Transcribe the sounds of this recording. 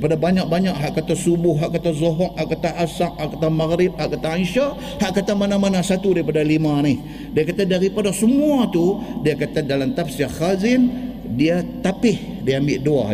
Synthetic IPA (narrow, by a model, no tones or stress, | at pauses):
padabaɲak̚baɲaʔɦaʔkat̪asubʊhɦaʔkat̪azoɦɔʔhaʔkat̪aʔasaʔ̚haʔkat̪amaɣɾɪp̚haʔkat̪aanʃaʔ | haʔkat̪amanamanasat̪udaipadalimanɪh | diakat̪adaɾipadasəmuat̪udiakat̪adalamt̪ap̚saxazɪn | diat̪apɪh | diaambɪʔdua̰